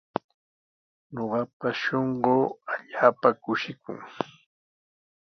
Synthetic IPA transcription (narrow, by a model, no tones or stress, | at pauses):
ɲoɢɑpaʃoɴɢoːaʎaːpakʊʃɪkʊ̰ŋ